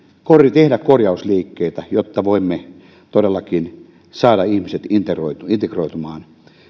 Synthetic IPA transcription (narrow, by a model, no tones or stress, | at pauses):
korjit̪ehdækkorjɑusliːkːeit̪æjot̪ːɑʋoimːe | t̪odelːɑkin | sɑːdɑihmiset̪int̪eroit̪uint̪ekroit̪umɑːn